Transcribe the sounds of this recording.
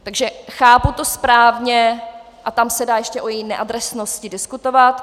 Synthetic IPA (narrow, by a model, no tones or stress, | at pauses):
t̪aɡʒɛxaːput̪o̞spɾaːvɲɛ | ʔat̪amsɛdaːjɛʃcɛʔojɛjɪnɛʔadɾɛsnoscɪdɪskut̪ovat̪